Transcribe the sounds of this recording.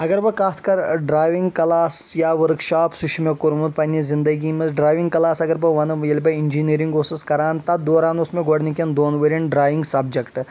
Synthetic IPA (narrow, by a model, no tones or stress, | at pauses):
ɐɡɐɾʋɐkaːt̪ʰkɐɾɖɾaːjʋiŋɡkɐlaːsjaːʋɐɾkʃaːpsuʃʰmekʊɾmut̪̚pɐnʲːizind̪ɐɡiːmɐzɖɾaːʋĩŋɡ̚kɐlaːsɐɡɐɾbɐʋɐnjelbɐinʲd͡ʒiːniːɾĩŋɡoːsiskɐɾaːnt̪ɐd̪oːɾaːnusmẽɡoɽnikʲɐnd̪oːnʋɐɾinɖɾaːʋiŋɡsɐbd͡ʒɐkʈ